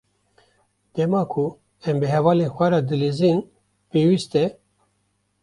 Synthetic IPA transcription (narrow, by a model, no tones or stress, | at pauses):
d̪̥ɛmɑːkʰu | ɛmbɨɦɛvɑːlenxʷɛɾɑːd̪ɨleːzin | peːwist̪ɛ